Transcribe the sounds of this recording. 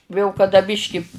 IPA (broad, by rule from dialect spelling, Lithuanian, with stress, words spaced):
jɛʊ kɐˈdɐ ˈbʲɪʃʲkʲɪ